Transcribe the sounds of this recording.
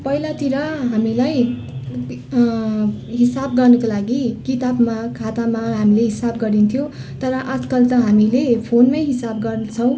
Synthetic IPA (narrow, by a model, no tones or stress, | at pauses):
pʌilat̪iɾʌɦamilaj | ɦisab̚ɡʌrnʌkolaɡikit̪abmakʰat̪amaɦamileɦisab̚ɡʌɾint̪ʰjo | t̪ʌɾʌʔʌt̪ʰkʌlt̪ʌɦamilepʰonmʌjɦisab̚ɡʌrnt͡sʰʌw̃